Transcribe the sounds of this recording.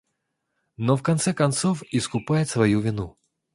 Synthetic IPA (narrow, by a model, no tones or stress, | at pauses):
nɔfkɐnt̪sɛkɐnt̪sɔfiskʊpajɪt̪svɐjuvʲɪnu